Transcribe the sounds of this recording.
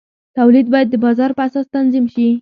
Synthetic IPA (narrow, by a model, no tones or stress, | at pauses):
t̪awlid̪̚bɑjad̪ːəbɑzɑɾpəasɑst̪anzimʃi